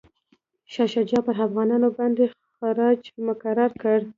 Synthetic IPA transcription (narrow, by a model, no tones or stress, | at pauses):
ʃɑʃɑd͡ʒɑpəɾafɣɑnɑnobɑnd̪e | xaɾɑd͡ʒmʊkaɾɑɾkəɽ